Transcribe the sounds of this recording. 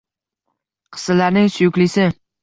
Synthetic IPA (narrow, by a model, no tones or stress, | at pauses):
qʰɨ̥sɪlaɾnɪŋsʊjʊkʲlɪsɪ